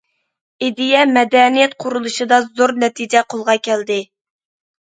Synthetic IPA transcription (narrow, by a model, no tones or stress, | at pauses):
id̪ijɛmɛd̪ɛnijɛt̪̚qʰʊɾulˠuʃɨd̪ɑzoɾnɛt̪ʰid͡ʒɛqʰolˠʁɑkʲʰɛld̪ɪ